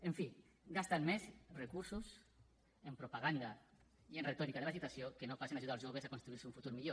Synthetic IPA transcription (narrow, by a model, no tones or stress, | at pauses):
eɱfi | ɡast̪anmezrekuɾsus | empɾupaɣ̞and̪a | ienret̪ɔɾikaðelasit̪asjokenofasenaʒuðalzʒoβ̞ezakonst̪ɾuiɾseuɱfut̪uɾmiʎo